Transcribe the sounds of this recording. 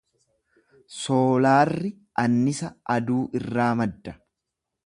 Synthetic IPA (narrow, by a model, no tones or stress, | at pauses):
soːlaːrːɪ | ʔɐnːɪsɐɐd̪uːʔɪrːaːmɐd̪ːɐ̥